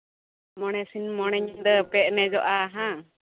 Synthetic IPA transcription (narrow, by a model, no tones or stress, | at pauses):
mɔnɛsinmɔñɛɲind̪ɔpɛʔ̪̚nɛd͡ʒɔʔaɦã